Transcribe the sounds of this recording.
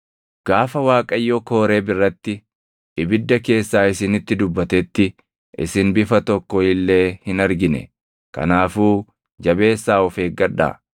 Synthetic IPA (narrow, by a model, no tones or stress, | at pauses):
ɡ̥aːfɐwaːkʼɐjːoko̞ːɾe̞ːbɪrːɐt̪ːɪ | ʔɪbɪd̪ːɐke̞ːsːaːɪsɪnɪt̪ːɪd̪ʊbːɐt̪ɛt̪ːɪ | ʔɪ̰sɪnbɪfɐt̪ɔkːɔɪlːe̞ːhɪnɐɾɡɪnɛ̰ | kɐ̰naːfuː | d͡ʒɐbe̞ːsːaːɔfe̞ːɡɐᶑa̰ː